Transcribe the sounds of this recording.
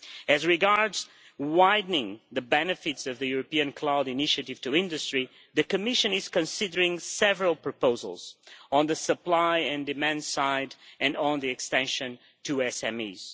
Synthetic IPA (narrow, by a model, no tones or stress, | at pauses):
ɨzɹɨɡɑɹdz | waɪdⁿnɪ̃ŋðɨbɛnɨfɨtsʌvðɨjuɹɨpiɨ̃nkʰl̥aʊɾɨnɪʃɨɾɨv̥tʰɨɪ̃ndɨstɹ̥i | ðɨkɨmɪʃɨ̃nɪz̥kɨ̃nsɪdə˞ɪ̃ŋsɛvəɹəlˠpʰɹ̥ɨpoʊzə̰l̩ˠz̥ə̃nðɨsəplaɪɨ̃ndɨmæ̃ndsaɪdɨ̃ñn̩ðiɨkstɛ̃nʃɨ̃n | tʰɨɛsɛ̃mḭz̥